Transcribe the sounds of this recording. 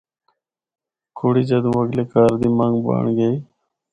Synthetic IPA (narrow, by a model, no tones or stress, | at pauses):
kʰoːɽiːd͡ʒəd̪mʋəɡleːkaːɾd̪iːməŋɡba̰ːɳɡəiː